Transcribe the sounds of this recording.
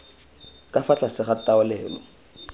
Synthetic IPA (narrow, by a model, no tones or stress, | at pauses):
kʼafat͡ɬasɪχataʊlɛːlɔ̰